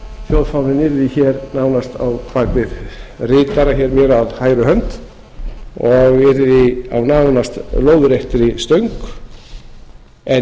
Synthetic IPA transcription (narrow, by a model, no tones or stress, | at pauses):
θjowðfawnɪnɪɾvɪçɛɾnawnast̪a̰wpaːkɪðrɪːt̪aɾaçɛɾmjɛːɾaðhaːjɾʏɦœnt̪ | ɔ̰ɣaɪɾia̰wnaːwnast̪loːwðʏɾeht̪ɪɾist̪œŋk | ɛ